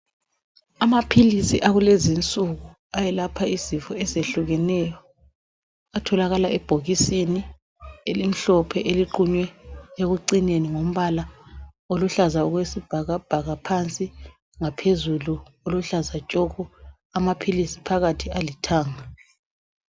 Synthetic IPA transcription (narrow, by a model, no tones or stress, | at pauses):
amapʰilisiʔaɣulezint͡sʼuɣu | ajɛlapʰaizifɔɛzeɬuɣɛnɛjɔ | atʰɔlaɣalaʔɛb̥ʱoɣisini | elim̩ɬɔpʰɛʔeliǃuɲwɛeɣuǀineniŋom̩βala | oluɬazauɣwesib̥ʱaɣab̥ʱaɣapʰant͡sʼi | ŋapʰezuluoluɬazat͡ʃʼɔɣɔ | amapʰilisi̥pʰaɣatʰialitʰaːŋa